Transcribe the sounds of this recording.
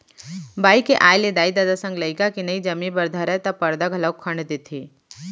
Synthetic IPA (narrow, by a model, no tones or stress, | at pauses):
baːikeʔaːjled̪aːid̪aːd̪asə̃ŋɡləɪkakinɐid͡ʒɐmĩbɐɾd̪ʱəɾɛt̪ɐpɐɾd̪əɡɐləɡ̚kʰɐ̃ɳɖd̪et̪ʰiː